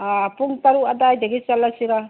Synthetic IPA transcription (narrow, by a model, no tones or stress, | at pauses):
apuŋt̪aɾuad̪ajdeɡit͡ʃalasiɾa